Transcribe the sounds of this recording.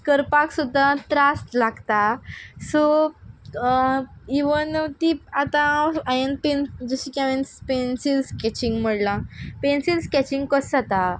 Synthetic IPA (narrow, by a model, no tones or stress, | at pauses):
kəɾpaksud̪ʱːat̪ɾast̪laɡt̪aso | iʋənt̪iat̪ãajənpend͡zusikãʋenspensilskɛt͡ɕĩŋɡm̤əɽlãpensilskʲɛt͡ɕĩŋɡkəsat̪a